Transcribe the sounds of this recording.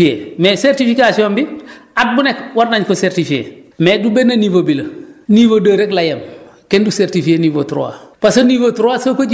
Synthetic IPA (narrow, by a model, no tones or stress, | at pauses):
iemeseɾtifikasiombi | at̚bunekwaɾnaɲkoseɾtifiḛ | medubenːaniːvobilɐniːvodəːɾeklajɐmkenduseɾtifienivotuɾo̰wa̰pasoniːvotɾoasokoɟ